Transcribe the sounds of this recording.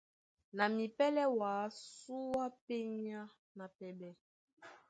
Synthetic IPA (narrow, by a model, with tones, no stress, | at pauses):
na˨mi˨pɛ˦lɛ˦wa˨˦su˦wa˦pe˦ɲa˦ | na˨pɛ˦bɛ˦